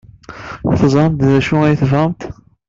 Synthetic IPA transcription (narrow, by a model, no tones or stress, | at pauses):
θəzˤmt̪ðæʃuæjθəvəmt̪